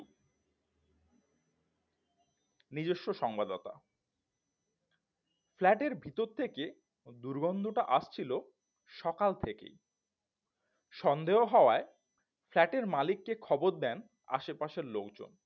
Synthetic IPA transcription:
nid͡ʑoʃːoʃɔŋbad̪ɔt̪a̰ | flɛʈeɾbʱit̪oɾt̪ʰːeke | d̪uɾɡɔnd̪ʱoʈaʔaʃt͡ɕʰilo | ʃɔkalt̪ʰekḛj | ʃɔnd̪eɦoɦɔoae | flɛʈeɾmalikːekʰɔboɾd̪ɛn | a̰ʃepaʃeɾlokd͡ʑo̰n

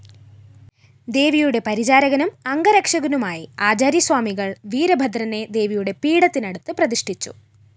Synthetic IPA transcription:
d̪e̞ːʋijuɽe̞pɐɾid͡ʑaːɾɐɣɐnumɐŋɡɐɾɐkʂɐɣɐnumaːjiaːd͡ʑaːɾjɐswaːmiɣɐɭʋiːɾɐbʱɐd̪ɾɐne̞d̪e̞ːʋijuɽe̞piːɽɐt̪ːinɐɽut̪ːɨprɐðiʂʈʰit͡ɕːṵ

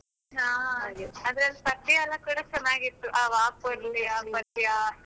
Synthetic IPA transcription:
ɦaːɡeɐd̪ɾɐlːpɐt̪ːjɐlːɐkuːɽɐt͡ʃɐnːaːɡit̪ːuʔaːʋaːpuɐɾlːiaːpɐt̪ːija

